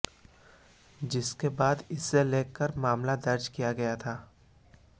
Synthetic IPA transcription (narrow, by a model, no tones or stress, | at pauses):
d͡ʒɪskebaːd̪ɪsːeleːkːəɾmaːmlad̪ɐɾd͡ʒkijaɡɐjat̪ʰaː